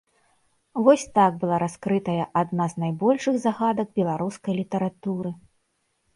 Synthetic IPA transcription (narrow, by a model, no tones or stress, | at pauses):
vɔsʲt̪aɡ̚bɨlˠaɾaskɾɨt̪ɐjɐʔad̪naznajbɔlʲʂɨɣzaɣad̪ɐɡ̚bʲɛlˠaɾuskɐjlʲit̪ɐɾat̪uɾɨ